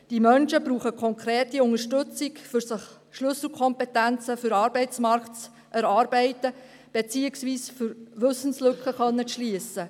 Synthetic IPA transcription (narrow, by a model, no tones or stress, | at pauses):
d̥imœnʃəbɾuːχəkʰɔŋkʰɾeːtiʊŋəʃtɵt͡sɪkfʏɾsəχ | ʃlʏsl̩ˠkʰɔmpɛtænt͡səfʏɾɑːɾbɛɪt͡smɑɾkt͡s | ʔɛɾɑːɾbɛɪtə | b̥et͡siːəksʋiːsfʏɾʋɵsən̩slɵkχəχœnːəʃliəsə